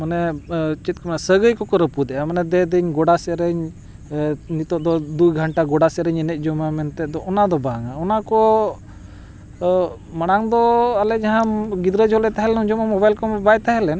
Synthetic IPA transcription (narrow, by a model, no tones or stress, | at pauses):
manɛt͡ʃit̪̚kʰɔmnasəɡəjkɔkɔɾəpud̪ɛʔamanɛd̪ɛd̪əɲɡɔɽasɛɾəɲ | nit̪ɔd̪ɔd̪ujɡʱəɳʈaɡɔɽasɛɾɛɲɛnɛt̪̚ˀd͡ʒɔmamɛnt̪ɛd̪ɔɔnad̪ɔbaŋaɔnakɔ | maɽ̃aŋd̪ɔalɛd͡ʒaɦãɡid̪ɾəd͡ʒɔlɛt̪aɦɛlɛnuɲd͡ʒɔmamɔbajlkɔmbajt̪aɦɛlɛn